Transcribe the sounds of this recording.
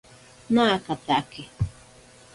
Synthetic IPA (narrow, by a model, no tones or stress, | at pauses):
nakat̪akɪ